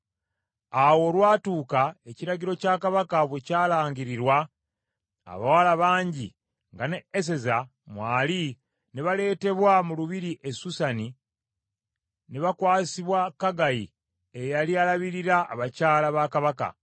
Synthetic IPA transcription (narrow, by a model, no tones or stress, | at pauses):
awo̞ːlwaːtuːkae̞ciɾaɟiɾo̞caːkaβakaβwecaːlaːɲɟiɾiɾwa̰ː | βawalaβaːɲɟi | ŋɡaneːs̬e̞za | mwaːli | neβale̞ːte̞βwamuluβiɾiʔe̞susani | neβakwaːsiβwakaɡaji | ejalialaβiɾiɾa̰ːβacaːlaβakaβaka̰